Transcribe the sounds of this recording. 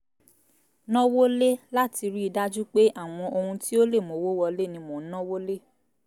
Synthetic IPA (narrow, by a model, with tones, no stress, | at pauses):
nɔ̃˦wo˦le˦la˦ti˧ɾi˦i˧da˦d͡ʒu˦k͡pe˦ʔa˦˨w̃ɔ̃˧ʔo˧hũ˧ti˦o˦le˦˨mõ˨˦wo˦wɔ˧le˦˨nĩ˧mõ˨˦nɔ̃˦wo˦le˦